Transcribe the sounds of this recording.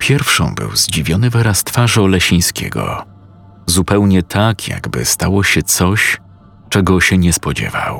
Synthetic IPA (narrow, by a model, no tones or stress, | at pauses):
pʲjɛɾfʂɔ̰̃w̃bɘ̰wzd͡ʑivʲjɔnɘvɛɾast̪faʐɔlɛɕĩj̃skʲɛ̰ɡɔ̰ | zupɛwɲɛt̪ʰakʰja̰ɡbɘ̰st̪awɔɕɛt̪sɔɕ | t͡ʂɛɡɔɕɛɲɛspɔd͡ʑɛ̰va̰w